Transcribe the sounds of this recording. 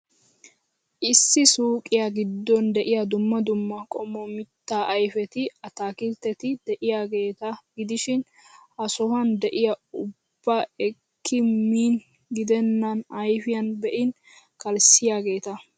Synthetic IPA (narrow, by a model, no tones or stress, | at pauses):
ʔɪsːɪsuːkʼɪjɐɡɪd̪ːɔnd̪ɛʔɪjɐd̪ʊmːɐd̪ʊmːɐkʼɔmɔmɪt̪ːaːʔɐjfɛt̪ɪɐt̪aːkɪlt̪ːɛt̪ɪd̪ɛʔɪjaːɡe̞ːt̪ɐɡɪd̪ɪʃɪn | hɐsɔhɐnd̪ɛʔɪjɐʊb̥ːaɛkːɪmiːn | ɡɪd̪ɛnːɐnɐjfɪjɐnbɛʔɪn | kɐlsɪjaːɡe̞ːt̪ɐ